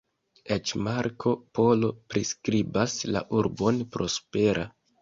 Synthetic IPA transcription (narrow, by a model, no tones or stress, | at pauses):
et͡ʃmaɾkʰo̞po̞lo̞pɾiskɾibasla̰ʔuɾbo̞npɾʔo̞spe̞ɾʔa